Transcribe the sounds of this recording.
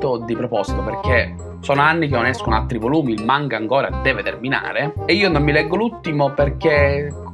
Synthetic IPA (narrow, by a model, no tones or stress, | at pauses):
t̪od̪ipɾopɔsi̥t̪operk̟e | soːnoanːik̟enːonɛskonoalt̪ːɾivoluːmilmaŋkaːŋkoːɾad̪ɛːvet̪ermina̰ːɾeːiːonomːilɛɡːolut̪ːimoperk̟e